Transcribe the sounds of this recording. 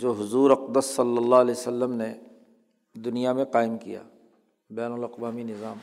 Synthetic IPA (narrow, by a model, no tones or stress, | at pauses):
d͡ʒoːɦʊzuːɾɐqd̪əsːɐlːəlːaɦɐlɛːsəlːəmne | d̪ʊnijamẽqaːɪmkḭja̰ː | bɛːnʊlɐqʋaːminɪzaːm